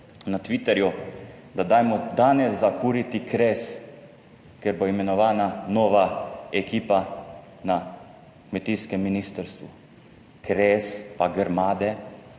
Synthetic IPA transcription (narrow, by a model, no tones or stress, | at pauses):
nat̪ʋit̪ɛɾju | d̪ad̪ajmɔd̪aːnɛzːakuːɾit̪ikɾeːs | keɾboimɛnɔʋaːnanoːʋaɛkiːpa | na | kmet̪iːskɛmːiniːst̪əɾst̪ʋu | kɾeːspaɡəɾmaːd̪ɛ